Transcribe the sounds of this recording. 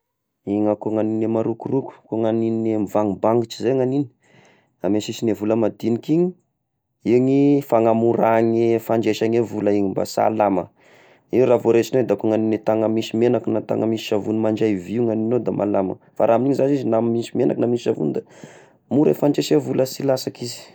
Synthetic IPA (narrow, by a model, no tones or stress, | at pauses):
iŋakoŋaninemaɾukuruku̥koŋaninemivaŋibaŋɡit͡ʃi̥zeŋanini̥ | amesisinevuləmad̪inikiɲi | iɲifaŋamuɾaŋefaɳd͡ʒeʃaɲevulaiɲimba̰sa̰lamə̰ | iwravoɾet͡ʃinod̪akoŋaninet̪aŋəmisimenakunat̪a̰ŋəmiiʃavunimaɳd͡ʒajviŋaninod̪amʔa̰lamə̰ | faɾʔaːminiɲizanizinammisimena̰knamiʃavṵnd̪a | muɾefand͡ʒeʃevuləsilasakizi̥